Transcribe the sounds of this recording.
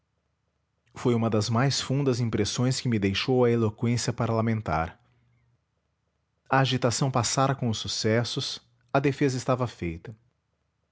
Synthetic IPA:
fojũmɐd̪ɐzmajsfũnd̪ɐzĩpɾesõj̃skɪmɪd̪ejʃowɐelokwẽsiɐpaɾlamẽnt̪a̰ɾ | ɐːʒit̪asɐ̃w̃pasaɾɐkõʊsːusɛsʊs | ɐd̪efezɐɪst̪avɐfejt̪ɐ

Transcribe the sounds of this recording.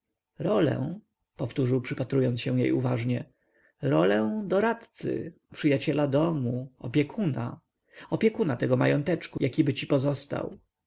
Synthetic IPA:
ɾɔlɛ̰̃ | pɔft̪uʐɘwpʂɘpat̪ɾujɔnsɕɛw̃jejṵvaʐɲɛ | ɾɔlɛw̃d̪ɔɾat̪t̪sɘ̰pʂɘjat͡ɕɛlad̪ɔmuɔpʲjɛkʰuna̰ | ɔpʲjɛkunat̪ɛɡɔmajɔnt̪ɛt͡ʂkujʔakʲibɘt͡ɕipɔzɔst̪a̰w

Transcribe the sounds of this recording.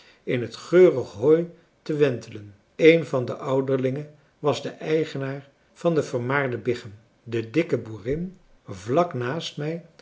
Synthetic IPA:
ɪnɦətχøːrəχɦɔj | təʋɛntʰələn | ejnvɑndəʔʌwdəɹlɪŋə | ʋɑzdəʔɛjχənaːɹ | v̥ɑndəvəɹmaːɹdəbɪχəm | dədɪkəbuːrɪn | vlɑknaːstmɛj

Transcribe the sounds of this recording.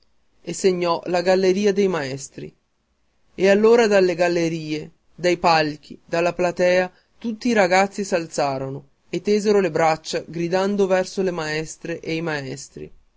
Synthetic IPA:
eseɲːɔlaɡalːeɾiːad̪ejmaɛst̪ɾḭ | ealːoːɾad̪alːeɡalːeɾiːe | d̪ajpalk̟id̪alːaplat̪ɛːa | t̪ut̪ːiːɾaɡat̪sːisalt̪saːɾono | et̪ːeːzeɾolebɾat͡ʃːaɡɾid̪and̪ovɛrsolemaɛst̪ɾeʔejmaɛst̪ɾḭ

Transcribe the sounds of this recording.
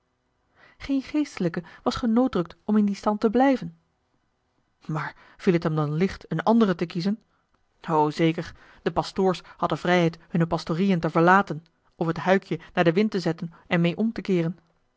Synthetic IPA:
χejnχejstələkəʋɑsχənowdrɵk̚tɔmɪndistɑntəblɛjvən | maːɹ | v̥ilˠətɦɛmdɑnlɪχtənɑndərətəkizən | owzejkəɹ | d̥əpɑstʊːɹshɑdəvrɛjɦɛjthɵnəpɑstorijəntəvəɹlaːtən | ɔfɦətɦœɥkjənaːɹdəʋɪntəzɛtən | ɛnmejʔɔmtəkɪːrən

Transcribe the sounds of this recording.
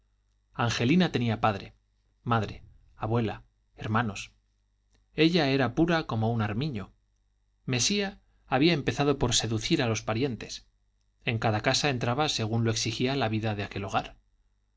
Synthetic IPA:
aŋxe̞linat̪e̞niapaðɾe̞ | maðɾe̞ | aβwe̞la | eɾmãno̞s | e̞ʎae̞ɾapuɾako̞mo̞unaɾmĩɲo̞ | me̞siaː | βiae̞mpe̞θað̞o̞po̞ɾse̞ðuθiɾalo̞spaɾje̞nt̪e̞s | e̞ŋkaðakasaent̪ɾaβase̞ɣ̞unloe̞ksixialaβiðaðeake̞lo̞ɣ̞aɾ

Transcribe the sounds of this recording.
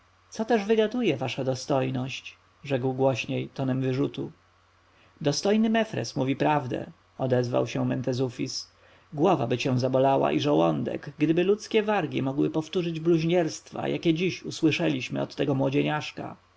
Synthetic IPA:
t̪sɔt̪ɛʐvɘɡad̪ujɛvaʂad̪ɔst̪ɔjnɔɕt͡ɕ | ʐɛɡwɡwɔɕɲejt̪ɔnɛmvɘʐut̪u | d̪ɔst̪ɔjnɘmɛfɾɛ̰smuvʲipɾavd̪ɛ̰ | ɔd̪ɛzva̰wɕɛmɛnt̪ɛzufʲis | ɡwɔva̰bɘt͡ɕɛ̃w̃zabɔlawa̰ʔiʐawɔnd̪ɛ̰ɡɡd̪ɘbɘlut̪skʲɛvaɾɡʲimɔɡwɘpɔft̪uʐɘd͡ʑbluʑɲɛɾst̪fa̰jʔakʲɛd͡ʑiɕuswɘʂɛlʲiɕmɘ̰ɔ̰t̪ːɛɡɔmwɔd͡ʑeɲaʂka̰

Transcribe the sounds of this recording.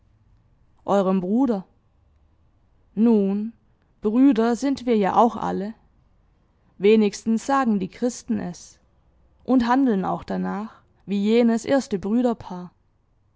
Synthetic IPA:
ʔɔʏʁ̞əmbʁuːdɐ | nuːn | b̥ʁyːdɐzɪntv̥iːɐja̰ːʔa̰ʊxʔa̰lə | veːnɪçstn̩sz̥aːɡŋ̩diːkʁ̥ɪstn̩ʔɛ̰s | ʔʊnthandl̩na̰ʊxd̥anaːχ | viːjeːnəsʔḛːɐstəbʁyːɾɐpʰaːɐ

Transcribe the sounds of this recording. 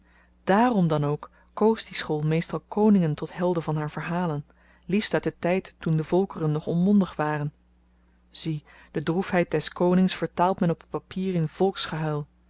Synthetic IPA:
d̥aːrɔmdɑnowkː | owsdisχolˠmejstɑlˠkʰownɪŋəntɔtɦɛlˠdəvɑnɦaːɹvəɹɦaːlən | lifstœt̚dətɛjtːundəvɔlˠkərənːɔχɔnmɔndəχʋaːrən | z̥i | d̥ədrufɦɛjt̚d̥ɛskownɪŋsfəɹtaːlˠtmɛnɔpətpapiːrɪnv̥ɔlˠksχəɦœjlˠ

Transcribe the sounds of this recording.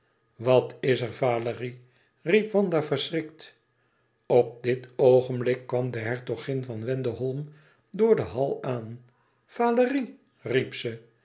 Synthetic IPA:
ʋɑtɪsəɹvaːləri | ripʋɑnd̪afərsrɪkt | ɔp̚dɪtowχənblɪkːʋɑmd̪əɦɛɹtoχɪnvɑnʋɛndəɦɔlˠm | dʊːɹdəɦɑlˠaːn | v̥aːləri | ripsə

